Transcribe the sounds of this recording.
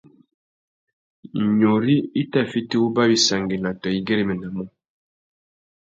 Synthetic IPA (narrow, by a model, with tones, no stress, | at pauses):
ɲo˨ɾi˦i˦ta˦fi˦ti˦u˦ba˦bi˨sa˨ŋɡi˨na˨tɔ˨i˦ɡe˦ɾi˦mə˨na˨mɔ˦